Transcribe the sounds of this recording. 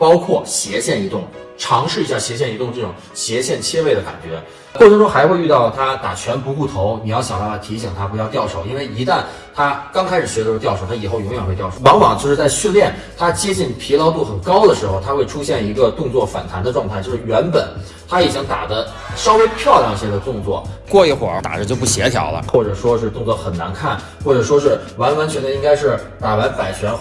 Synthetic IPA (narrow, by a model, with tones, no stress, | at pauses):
pɑ˥ʊkʰwɔ˥˩ɕjɛ˧˥ɕjɛ˥˩ni˧˥t̪ʊ˥˩ŋ | ʈ͡ʂʰɑ˧˥ŋʂɻ̩˥˩i˧˥ɕja˥˩ɕjɛ˧˥ɕjɛ˥˩ni˧˥t̪ʊ˥˧ŋʈ͡ʂɤ˥˩ʈ͡ʂʊ˨˩ŋ | ɕjɛ˧˥ɕjɛ˥˩nt͡ɕʰjɛ˥we˥˩ɪd̪ə˩ka̰˨˩nt͡ɕɥɛ̰˧˥ | kɔ˥˩ʈ͡ʂʰɤ˧˥ŋʈ͡ʂʊ˥ŋxa˧˥ɪxwe˥˧y˥˧t̪ɑ˥˩ʊt̪ʰa˥t̪a̰˨˩t͡ɕʰɥɛ˧˥npu˧˥ku˥˩t̪ʰo˧˥ʊni˨˩jɑ˥˩ʊɕjɑ˨˩t̪a˥˩a˥t̪ʰi˧˥ɕi˨˩ŋt̪ʰa˥xjɑ˥˧ʊt̪jɑ˥˩ʊʂo˨˩ʊi˥nwe˥˩ɪi˧˥t̪a˥˩n | t̪ʰa˥kɑ˥ŋkʰa˥ɪʂɻ̩˨˩ɕɥɛ˧˥lt̪jɑ˥˩ʊʂo˨˩ʊa˥i˨˩xo˥˩ʊjʊ˧˥ŋɥɛ˨˩nxwe˧tjʊo˩wɑ˧˥ŋwɑ̰˨˩ŋt͡ɕjo˥˧ʂɻ̩˥˧t͡sa˥˧ɪɕy˥˧nljɛ˥˩n | t̪ʰa˥t͡ɕjɛ˥t͡ɕi˥˩npʰi˧˥lɑ˧˥ʊt̪̬u˥˩xə˨˩nkɑ˥ʊd̪ə˨ʂɻ̩˧˥xo˥˧ʊt̪ʰa˥xwe˥˩ɪʈ͡ʂʰu˥ɕjɛ˥˩ni˧˥ɡə˧t̪ʊ˥˧ŋt͡swɔ˥˩fa̰˨˩nt̪ʰa˧˥nd̪ə˧ʈ͡ʂwɑ˥˧ŋʰ˥˩t͡ɕjo˥˧ʊʂɻ̩˥˩ɥɛ˧˥npə˨˩˦n | t̪ʰa˥i˨˩t͡ɕi˥ŋt̪a̰˨˩d̪ə˦ | ʂɑ˥ʊwe˥ɪpʰjɑ˥˧ʊljɑ˥˩ŋi˧˩ɕjɛ˥d̪ə˧t̪ʊ˥˧ŋt͡swɔ̰˥˩kwɔ˥˧i˥˩xwɔ̰˨˩˥t̪a̰˨˩ʈ͡ʂə˧t͡ɕjo˥˧ʊp̬u˥˩ɕjɛ˧˥t̪ʰjɑ̰˧˥ʊlə̰˧xwɔ˥˩ʈ͡ʂɤ˨˩ʂwɔ˥ʂɻ̩˥˧t̪ʊ˥˧ŋt͡sɤ˧˥xə˨˩nna̰˧˥nkʰa˥˩n | xwɔ˥˩ʈ͡ʂɤ˨˩ʂwɔ˥ʂɻ̩˥˩wa˧˥nwa˧˥nt͡ɕʰɥɛ˧˥nd̪ə˧i˥ŋka˥ɪʂɻ̩˥˩t̪a˨˩wa˧˥npa˨˩ɪt͡ɕʰɥɛ˧˥n